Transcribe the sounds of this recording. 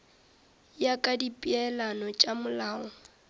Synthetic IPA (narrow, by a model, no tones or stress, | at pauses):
jakʼadipʼiɛlanɔt͡ʃʼamʊlaːɔ